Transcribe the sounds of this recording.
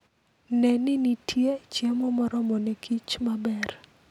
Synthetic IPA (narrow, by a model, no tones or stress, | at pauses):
nɛnɪnitʰjet͡ʃjemɔmɔɾɔmɔnekʰit͡ʃmabɛr